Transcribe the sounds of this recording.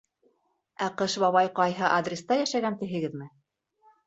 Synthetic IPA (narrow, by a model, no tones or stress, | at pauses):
æqɤʃbɑβɑjqɑjɦɤʔad̪rʲɪst̪ɑjæʃæɡænt̪ɘ̆ɦɘ̆ɡɘðmɘ